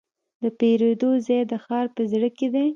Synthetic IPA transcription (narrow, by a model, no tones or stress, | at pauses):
d̪əpeɾed̪ozejd̪əxɑɾpəzɽəked̪e